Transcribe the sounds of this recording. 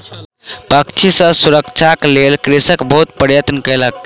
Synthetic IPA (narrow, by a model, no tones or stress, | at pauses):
pəkt͡ʃʰisə̃suɾəkt͡ʃʰaklelkɾisəkbəɦut̪̚pəɾjət̪nəkəjlək̚